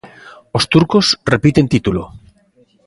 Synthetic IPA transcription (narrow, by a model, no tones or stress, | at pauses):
ost̪uɾkosrepit̪ent̪it̪ulo̰